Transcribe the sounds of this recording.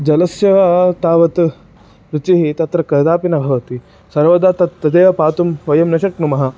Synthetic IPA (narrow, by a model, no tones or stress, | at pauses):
d͡ʒɐlɐsjɐʋat̪aːʋɐt̪ | ɾut͡ʃiɦit̪ɐt̪ɾɐkɐd̪aːpinɐbʱɐʋɐt̪i | sɐɾʋɐd̪aːt̪ɐt̪ːɐd̪eːʋɐpaːt̪umʋɐjɐmnɐʃɐknumɐɦɐ